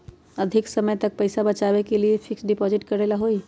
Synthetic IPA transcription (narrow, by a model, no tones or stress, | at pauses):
əd̪ʱɪksəməjt̪ɐk̚pɐɪsabɐt͡ʃaːbekeliefʰɪksɖɪpɔːzɪʈkɐɾelaɦoi